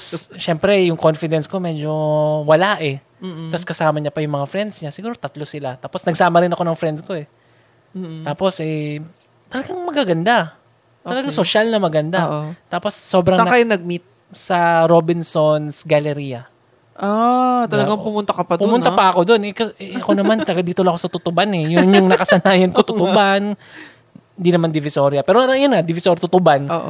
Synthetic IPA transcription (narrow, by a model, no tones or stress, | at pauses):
ʃɛmpɾɛjʊŋko̞nfɪd̪ɛnskomɛːd͡ʒo̞wɐlaʔɛ | mːt̪ɐskɐsaːmɐɲɐpɐjʊŋmɐŋafɾɛnd̪sɲasɪɡuːɾot̪ɐt̪lo̞sɪlat̪aːposnɐɡsaːmɐɾɪnɐko̞nɐŋfɾɛnd̪sko̞ɛ | aːpo̞sʔɛ | t̪ɐlɐɡaŋmɐɡaɡɐnd̪a | t̪ːɐlɐɡaŋsoʃalnɐmɐɡɐnd̪aʔot̪aːpo̞sːo̞ːbɾɐŋɐjonɐɡ̚mit̪̚ | sɐɾobɪnsonsɡɐlɛɾijɐ | ʔat̪ɐlɐɡaŋpʊmʊnt̪ɐkɐpɐd̪pʊmʊnapɐɐko̞d̪o̞nʔɛkɐʔɛɐkonɐmant̪ɐɡɐd̪iːt̪olɐkosɐt̪ʊt̪ʊbanɛjʊŋɲʊŋnɐkɐsɐnaːjɐnkot̪ʊt̪ʊban | hɪnd̪inɐmand̪ɪvɪso̞ːɾjɐpɛːɾoɐjonŋad̪ɪvɪsoɾt̪ʊt̪ʊbanoʔ